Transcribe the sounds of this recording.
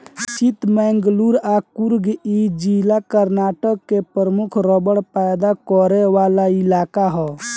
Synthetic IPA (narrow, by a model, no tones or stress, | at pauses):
sit̪mɛːŋɡluɾakuɾɡid͡ʒilakəɾnaːʈəkːepəɾəmukʰɾɔbəɽpajd̪akɔɾeʋaːlailaːkaɦɔ